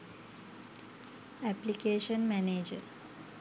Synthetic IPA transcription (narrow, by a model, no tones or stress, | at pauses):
ɛplikeːʃənmæneːd͡ʒəɾ